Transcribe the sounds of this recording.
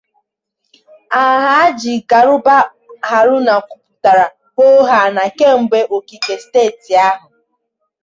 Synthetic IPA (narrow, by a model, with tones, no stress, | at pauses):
a˨ɦa˦a˦d͡ʒi˨ɡa˨ɾʊ˦ba˦ | ɦa˨ɾʊ˦na˨kʷʊ˨pʊ˨ta˨ɾa˨ | ɦo˦ɦa˨na˨ke˦m̩˦be˦ʔo˨ki˨ke˨steː˦˨ti˨a˦ɦʊ˨